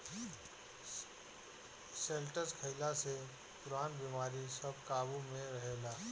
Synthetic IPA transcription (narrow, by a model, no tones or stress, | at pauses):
seːlʈəskʰəɪlase | pʊɾaːnbiːmaːɾisɐb̚kaːbumẽɾɐɦeːlaː